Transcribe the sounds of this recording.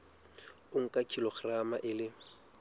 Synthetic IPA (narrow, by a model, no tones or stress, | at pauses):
ʊŋ̩kʼakʼilɔχramaʔɪlɪ